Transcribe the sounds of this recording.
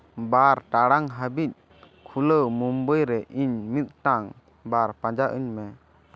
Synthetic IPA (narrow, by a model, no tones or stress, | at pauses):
baɾʈaɽaŋɦəbit̪̚ | kʰuləwmumbəjɾɛʔiɲmit̪̚ʈaŋ | baɾpãd͡ʒaʔiɲmɛ